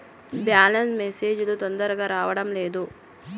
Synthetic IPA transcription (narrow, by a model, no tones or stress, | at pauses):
bjaːlɐnsmeseːd͡ʒulut̪ond̪ɐɾɐɡaːɾaːʋɐɽɐmleːd̪u